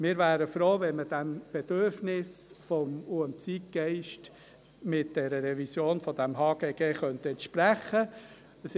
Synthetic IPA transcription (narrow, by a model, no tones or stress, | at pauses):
mɪːɾvæːɾəfɾoːvɛnməd̥æmb̥ɛd̥øɾfnɪs | fɔmuənt͡siːk̚ɡ̥ɛɪʃt | mɪt̚d̥ɛɾəɾɛvisjoːnfɔd̥æmɦɑːɡ̥eːɡ̥eːχœnt̪əɛnt̪ʃpɾæχə | əs